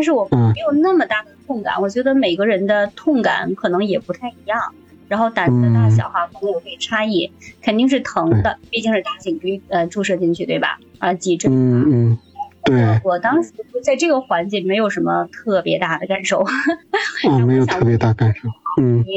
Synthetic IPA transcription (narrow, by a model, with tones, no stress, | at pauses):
ta˥˧nʂɻ̩˥˩wɔ˨˩˥e˧˥ɪjo˨˩ʊna˥˩mə˩t̪a˥˩d̪ə˩t̪ʰʊ˥˩ŋka̰˨˩nwɔ˨˩t͡ɕɥɛ˧˥d̪ə˧me˨˩ɪɡə˧ɻə˧˥nd̪ə˧t̪ʰʊ˥˩ŋka̰˨˩˦nkʰɤ˨˩nɤ˧˥ŋjɛ˨˩pu˧˥t̪ʰa˥˩ɪi˧˥jɑ˥˩ŋ | ɻa˧˥nxo˥˩ʊt̪a˨˥n˥ə˧t̪a˥˩ɕ̬jɑ̰˨˩ʊxa˥kʊ˧˥ŋjo˨˩pe˥˩ɪʈ͡ʂʰa˥i˥˩kʰə˨˩nt̪i˥˧ŋʂ̬ɻ̩˥˩t̪ʰɤ˧˥ŋd̪ə˧pi˥˧t͡ɕi˥˧ŋʂ̩˥˧t̪a˥˩t͡ɕi˨˩ŋki˧˥ə˧ʈ͡ʂu˥˧ʂɤ˥˧t͡ɕi˥˧ŋt͡ɕʰy˥˧t̪we˥˩ɪbɐ̰˩ə˞˧˥t͡ɕi˧˥ʈ͡ʂə˥˩˥n̩˥˩˥t̪we˥˩ɪwɔ˨˩t̪ɑ˥ŋʂɻ̩˧˥˧t͡sa˥˧ɪʈ͡ʂɤ˥˩ɡə˩xwa˧˥nt͡ɕji˥˩nme˧˥ɪjo˨˩ʊʂə˧˥nmə˧t̪ʰɤ˥˩pjɛ˧˥t̪a˥˩d̪ə˩ka˨˩nʂo˥˩ʊ | ɔ˥˧˥me˧˥ɪjo˨˩t̪ʰɤ˥˩pjɛ˧˥t̪a˥˩ka˨˩nʂo˥˩ʊn̩˥˩˧